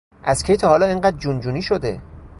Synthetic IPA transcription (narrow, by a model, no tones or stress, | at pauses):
ʔæskʰejt̪ʰɒːhɒːlɒːeŋɢæːd̪̚d͡ʒund͡ʒuːniːʃod̪e̞̰